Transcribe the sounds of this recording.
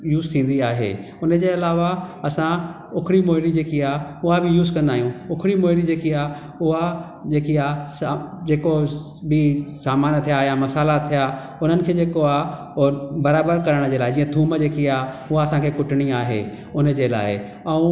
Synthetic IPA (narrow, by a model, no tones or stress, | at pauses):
juːzt̪ʰĩːn̆d̪iaːɦḛː | ʊnəd͡ʑeːɐlaːʋaɐsã | ʊkʰɾimoːɦɪɾid͡ʑeːkiaːʊɦabɪjuːzkɐ̃nd̪aːɦijũʊkʰɾimoːɦɪɾid͡ʑeːkiaː | ʊɦa | d͡ʑeːkiaːsd͡ʑeːko | bisaːmaːnt̪ʰijaːɦjamɐsaːlat̪ʰija | ʊn̤ənɪ̆kʰeːd͡ʑeːkoaːɦ | bɐɾaːbəɾkɐɾəɽ̃̆d͡ʑeːlaːɪd͡ʑiːə̃t̪ʰũːməd͡ʑeːkiaː | ʊɦaɐsãkʰeːkʊʈɪɽ̃iaːɦḛ | ʊnə̆d͡ʑeːla̰ːɪḛ | ɛ̃ũ